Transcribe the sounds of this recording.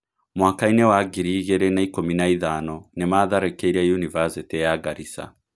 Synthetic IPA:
mwaːkainɛwaɡiɾiɣɛɾɛnaikominaiðanɔnɛmaːðaɾɛkɛiɾiajunivasitijaɡaɾisa̰

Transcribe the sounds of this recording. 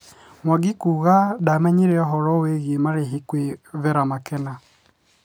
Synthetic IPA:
mwaɡikuɣadamɛɲeɾɛɔɦɔɾɔweɣemaɾeɦikweβɛɾamakɛna

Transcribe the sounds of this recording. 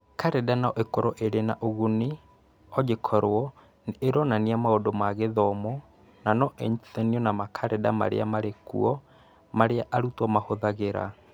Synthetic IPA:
kaɾɛdanaɔʔekoɾɔʔeɾenaʔoɣuni | ɔd͡ʒekʰɔɾwɔ | neeɾɔnaniamaodomaɣeðɔmɔ | nanɔʔɛɲiθɛniɔnamakʰaɾɛda̰ma̰ɾḛamaɾekṵɔ | maɾeaʔaɾutwɔmahoðaɣeɾa̰

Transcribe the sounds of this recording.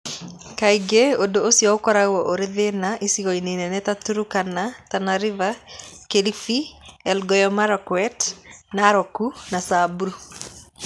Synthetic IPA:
kaiɡeodoosjɔokɔɾaɣɔʔoɾeðenaʔisiɣɔinenɛnɛtatuɾukanatanaɾivakelifiɛlɡɔjɔmaɾɔkwɛtnaɾɔkunasabuɾu

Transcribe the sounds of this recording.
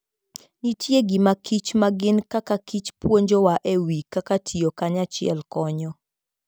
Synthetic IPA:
nitjeɡɪmakʰit͡ʃmaɡɪnkakakit͡ʃpwoɲd͡ʒowaʔewikːakatʰiokaɲat͡ʃɪɛ̰lkɔɲɔ

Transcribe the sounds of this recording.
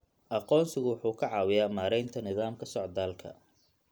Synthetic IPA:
ʔɑqɔːnsɪɣʊwɑħuːkʰɐʕɑːwɪjaːmaːɾɛjnt̪ʰɐnɪðaːmkʰɐsɔʕd̪aːlkʰɐ̰

